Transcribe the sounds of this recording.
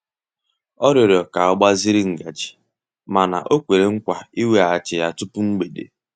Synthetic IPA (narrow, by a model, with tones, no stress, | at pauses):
ɔ˦ɾɔ˨ɾɔ˨ka˨ɔ˦ɡ͡ba˦zi˦ɾi˦ŋ̩˨ɡa˨d͡ʒi̥˨ | ma˨na̰˨ʔo˦kʷe˨ɾe˨ŋ̩˦kʷa˨i˦we˨a˨t͡ʃɪ˨ja˦tʊ˦pʊ˦ŋ͡m̩˦ɡ͡be˨dḛ˨